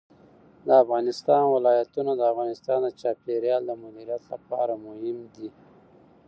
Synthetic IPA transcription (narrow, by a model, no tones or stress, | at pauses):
d̪əafɣɑnɪst̪ɑnwɪlɑjat̪unad̪əafɣɑnɪst̪ɑnd̪ət͡ʃɑpeɾjɑld̪əmʊd̪iɾijat̪lapɑɾamʊhɪmd̪i